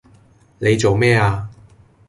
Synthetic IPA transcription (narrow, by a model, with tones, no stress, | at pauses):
ne˨˧jt͡so˨wmɛː˥˩aː˧